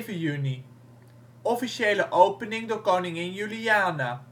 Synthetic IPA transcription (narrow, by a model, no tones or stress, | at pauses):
vəjyni | ɔfiʃejləʔowpənɪŋdoːɹkownɪŋɪnjyliaːnaː